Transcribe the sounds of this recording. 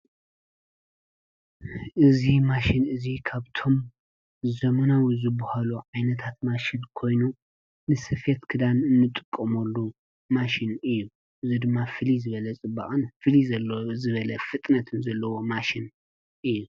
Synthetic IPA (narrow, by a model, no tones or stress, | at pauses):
ʔɨzimaʃinɨzikʰaβt̪ʰo̞m | zɐmɐnawizɨbɐhaluʕajnɐt̪ʰat̪maʃinkʰo̞jnu | nɨsɨfet̪kʰɨd̪anɨnːɨt̪ʼɨkʼːɐmɐlːu | maʃinɨjːu | ʔɨzid̪ɨmːafɨlizɨβɐlɐt͡sʼɨbːa̰χʼɨnfɨlizɐzɨβɐlɐfɨt̪ʼnɐt̪ʰɨnzɐlːɐwo̞maʃin | ʔɨjːu